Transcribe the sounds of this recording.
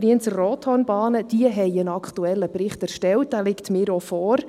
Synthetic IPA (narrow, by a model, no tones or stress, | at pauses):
ɾiənt͡sərroːt̪hɔnbɑːnəd̥iəɦɛɪjənɑkχtuɛlːəprɪχtɛɾʃtɛlt̚d̥æːlɪktmɪːɾɔfɔːr